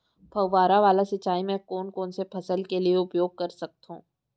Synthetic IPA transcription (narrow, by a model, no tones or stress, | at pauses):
pʰɐʋaːɾaʋaːlasɐt͡ʃːaːimɛ̃koːnkoːnsepʰɐsəlkelieʊpjoːɡ̚kɐɾsɐk̚t̪ɦṵ̃ː